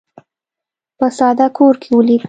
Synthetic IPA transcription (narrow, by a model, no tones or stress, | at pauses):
pəsɑd̪akʰoɾkʰewəli